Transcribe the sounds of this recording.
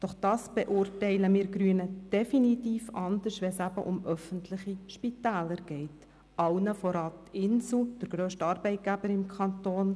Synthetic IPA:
d̥ɔχd̥ɑːsb̥ɛʔʊːrtɛɪləmɪːɾɡɾyənəd̥ɛfinit̪iːfɑnd̪əʃtʋɛnsæbəʔʊmœfəntʰlɪχiʃpitæːləɾɡ̥ɛɪt | ʔɑwnəfɔɾɑːt̪ɪnsl̩d̥əɾɡɾøːʃtəɑːɾb̥ɛɪt̚ɡ̥æbəɾɪmkʰχɑnt̪oːn

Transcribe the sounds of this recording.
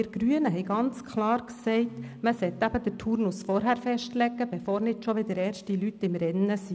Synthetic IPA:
ɪɾɡɾyənəɦɛɪɡɑnt͡skʰlɑːɾksɛɪtməsɛt̪ːæb̥əd̥ətʰuːɾnusfɔɾɦæɾfɛʃtlɛɡːəbɛfoːɾnɪdʃɔʋɪd̪əɾɛːɾʃtilytɪmɾɛnːəsi

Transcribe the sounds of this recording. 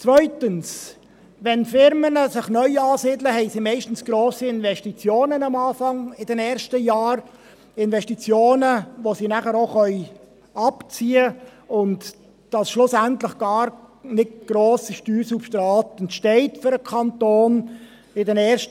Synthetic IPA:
t͡svœʏtəns | ʋɛnfɪɾmənəsɪχnœʏɑːsiːdləhɛɪsimɛɪʃtn̩sɡ̥ɾoːsiɪnvɛʃtit͡sjoːnənɑmɑːfɑŋɪd̥ɛnɛːɾʃtəjɑːɾ | ɪnvɛʃtit͡sjoːnəʋosinæχəɾoχœʏ | ɑpt͡siːəʊnt | d̥ɑsʃlʊsæntlɪχɡ̥ɑːɾnɪtɡ̥ɾoːsiʃtyːsufʃtɾɑːtəntʃtɛɪtføɾəkʰɑntoːn | ɪdɛnɛːɾʃt

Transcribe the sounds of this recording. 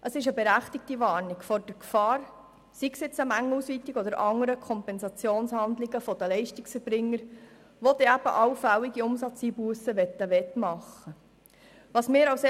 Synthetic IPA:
ʔəsɪʃəbɛɾæχt̪ɪk̚tiʋɑːɾnɪkfɔɾd̥əɾkfɑːɾ | siksjɪt͡səmæŋːlusʋiːt̪ːiɡɔd̪əɾʔɑŋːəɾəkʰɔmpɛnsɑt͡sjoːnshɑnd̪lɪɡəfɔd̪əlɛɪʃtɪksfɛɾbɾɪŋːəɾ | ʋɔd̪ɛæb̥ə̰ʔɑwfæwiɡiʊmsɑt͡siːbuəsəʋɛt̪ːəʋɛt̪mɑχːə | ʋɑsmɪːɾɑws

